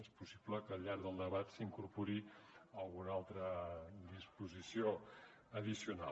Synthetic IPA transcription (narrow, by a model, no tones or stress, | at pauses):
espusi̥bləkəːlʎːaɾɡðəlˠd̪əβat̪siŋkuɾpuɾiəlˠɣunalˠt̪ɾəd̪ispuzisio | əðisiuna̰